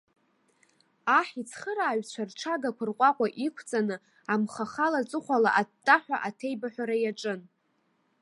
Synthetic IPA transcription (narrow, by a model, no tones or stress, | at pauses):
aħit͡sʰχəɾaːɥt͡ɕʷʰarʈ͡ʂʰaɡakʷʰʊrqʷʼaqʷʼaʔikʷʰt͡sʼanɨ | amχaχalat͡sʼɨχʷala̰ʔatʼːaħʷᶣaʔatʰe̞jbaħʷᶣaɾajaʈ͡ʂʼɨn